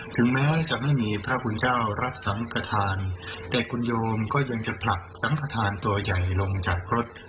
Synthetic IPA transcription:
t̪ʰɯ˩˦ŋmɛː˦˥t͡ɕa˨˩ma˥˩jmiː˧pʰɾa˦˥pʰu˧nt͡ɕaː˥˩wɾa˦˥p̚sa˩˦mkʰa˧t̪ʰaː˧nt̪ɛː˨˩kʰu˧njoː˧mkɔː˥˩ja˧ŋt͡ɕa˨˩pʰla˨˩k̚sa˩˦mkʰa˧t̪ʰaː˧nt̪u˧ɐja˨˩jlo˧ŋt͡ɕa˨˩k̚ɾo˦˥t̪̚

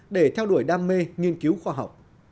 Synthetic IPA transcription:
ɗe˧˩t̪ʰɛ˧wɗu˧˩əjɗaː˧mːe˧ŋi˧ənki˨˦wxwaː˧ɦa̰˨˩wk͡p̚

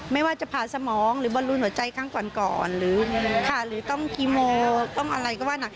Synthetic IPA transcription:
ma˥˩jwaː˥˩t͡ɕa˨˩pʰaː˨˩sa˧mɔː˩˦ŋɾɯː˨˦bɔː˧˦lu˧nhu˩˦ɐt͡ɕa˧jkʰaː˥˩ŋkɔː˨˩nkɔ̰ː˨˩nɾɯː˩˦kʰa˥˩ɾɯː˨˦t̪ɔ˥˩ŋkʰiː˧moː˧t̪ɔ˥˩ŋʔa̰˧ɾa˧jkɔ˥˩waː˥˩na˦˧˩

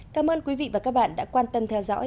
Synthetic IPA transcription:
kaː˨˦mʔəː˧nkwi˨˦vḭ˧˨vaː˨˩kaː˦˥k̚ɓa̰ː˧˨nɗa̰ː˧˥kwaː˧nt̪ə˧mt̪ʰɛ˧wzɔ̰˧˥

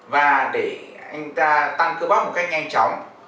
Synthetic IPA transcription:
vaː˨˩ɗe˧˩ʔa˧jŋ̟t̪aː˧t̪a˧ŋkɨ˧wɓaː˨˦mo˨˩ka˦˥jk̚ɲa˧ŋt͡ɕɔ̰˧˨wŋ͡m

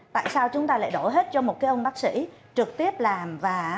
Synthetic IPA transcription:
t̪a̰ː˧˨jsaː˧wt͡ɕʊ˨˦ŋ͡mt̪aː˧la̰ː˧˨jɗo˧˩ɦe˦˥t̚t͡ɕɔ˧mo˨˩t̚kaː˨˦ʔə˧wŋ͡mɓaː˦˥k̚sḭ˧˥t͡ɕɨ˨˩k̚t̪i˦˥əp̚laː˨˩mvaː˨˩

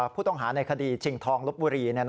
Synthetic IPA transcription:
pʰuː˥˩t̪ɔ˥˩ŋɦaː˩˦na˧jkʰa˧diː˧t͡ɕʰi˧˩ŋt̪ʰɔː˧ŋlo˦˥p̚buː˧ɾiː˧ni˥˩ɐn

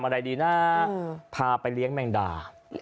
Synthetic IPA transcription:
mʔa˧ɾa˧jdiː˧naː˥˩pʰaː˧pa˧jli˦˥əŋmɛ˧ŋda̰ː˧˩

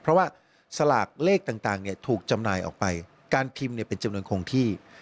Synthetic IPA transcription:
pʰɾɔ˦˥waː˥˩ | sa˧laː˨˩k̚leː˥˩k̚t̪aː˨˩ŋt̪aː˨˩ŋni˥˩ɐt̪ʰuː˨˩k̚t͡ɕa˧mnaː˧jʔɔ̰ː˨˩k̚pa˧j | kaː˧nt̪ʰi˧mni˥ɐpe˧nt͡ɕa˧mnu˧ənkʰo˧ŋt̪ʰiː˥˩

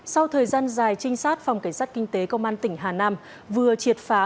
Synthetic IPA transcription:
sa˧wt̪ʰəː˨˩jzaː˧nzaː˨˩jt͡ɕï˧ŋ̟saː˦˥t̚fa˨˩wŋ͡mka˧˩jŋ̟sa˦˥t̚ki˧ŋ̟t̪e˨˦kə˧wŋ͡mʔaː˧nt̪ï˧˩ŋ̟ɦaː˨˩naː˧m | vɨ˨˩ət͡ɕi˨˩ət̚faː˨˦

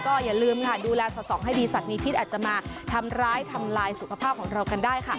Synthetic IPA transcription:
kɔː˥˩jaː˨˩lɯː˧mkʰa˥˩duː˧lɛː˧sɔ˨˩sɔː˩˦ŋɦa˥˩jdiː˧sa˨˩miː˧pʰi˦˥ʔaː˨˩t̪̚t͡ɕa˨˩maː˧t̪ʰa˧mɾaː˦˥jt̪ʰa˧mlaː˧jsu˨˩˦kʰa˧pʰaː˥˩p̚kʰɔː˩˦ŋɾa˧wka˧ndaː˥˩jkʰa˥˩

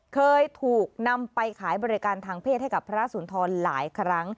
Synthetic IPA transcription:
kʰɤː˧jt̪ʰuː˨˩k̚na˧mpa˧jkʰaː˩˦jbɔː˧ɾi˦˥kaː˧nt̪ʰaː˧ŋpʰeː˥˩t̪̚ha˥˩jka˨˩pʰːa˧ɾa˦˥suː˩˦nt̪ʰɔː˧nla̰ː˩˦jkʰɾa˦˥ŋ

